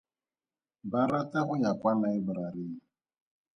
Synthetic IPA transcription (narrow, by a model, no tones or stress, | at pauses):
baɾataɣʊjakʷanaɪbɾaɾɪi